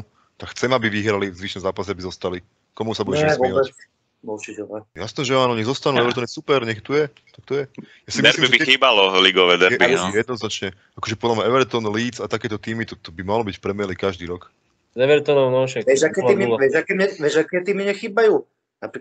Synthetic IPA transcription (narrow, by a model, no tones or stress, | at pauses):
t̪akxt͡sɛmabiʋiɦɾalivzʋiʃnɔmzaːpasɛabizɔst̪ali | kɔmusabuɟɛʃɛɛʋɔɛɛt͡s | mut͡ʃitɛlɛjasnɛːʒɛaːnɔɲɛzɔst̪anuɛʋɛɾt̪ɔnjɛsupɛɾɲɛxt̪ujɛ | t̪akt̪ujɛ | jasdimillimiɛbixiːbalɔliɡɔʋɛd̪ɛɾɛbiɛjɛd̪̚nɔznat͡ʃɲɛ | akɔʒɛpɔd̪lamɲaɛʋɛɾt̪ɔnliːd͡zat̪akɛːt̪ɔt̪iːmit̪ɔt̪ɔbimalɔbicfpɾɛmɪɛlikaʒd̪iːɾɔk | zɛʋɛɾt̪ɔnɔʊnɔʃɛʋɛʒakɛːiːmiʋɛʒakɛːɲɛʋɛʒakɛːt̪iːmiɲɛxiːbajuː | napɾik